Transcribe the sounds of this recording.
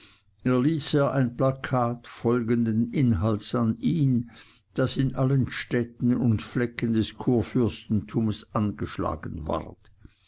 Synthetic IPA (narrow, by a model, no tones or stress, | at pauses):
eːɐliːseːɐʔaɪnplakʰaːtfɔlɡəndənʔɪnɦaltsaniːn | d̥asɪnʔalənʃtɛtn̩ʊntflɛkəndɛskʰuːɐfʏɐstn̩tʰuːməsʔanɡəʃla̰ːɡənva̰ʁt